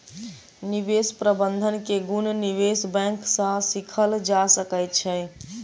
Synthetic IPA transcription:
nibespɾəbənd̪ʱənkeɡunniʋesbɛ̃ksə̃sikʰəld͡ʒasəkəjt̪̚t͡ʃʰə

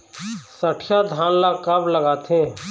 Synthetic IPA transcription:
səʈʰjad̪ʱaːnlakabləɡaːt̪ʰẽ

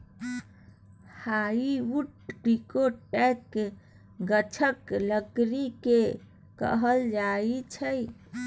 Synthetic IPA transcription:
haiuʈ̚ɾikoʈɛkːe | ɡət͡ʃʰəkləɡɾike | kə̰ɦəld͡ʒait͡ʃʰəj

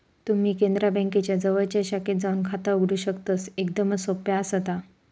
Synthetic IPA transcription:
t̪um̤iːkẽnd̪ɾabə̃ŋket͡ɕjad͡zəʋəɭt͡ɕaɕaket̪̚d͡zaunkʰat̪auɡɽuːɕəkt̪əːsekd̪əməsopjaːsɦət̪a

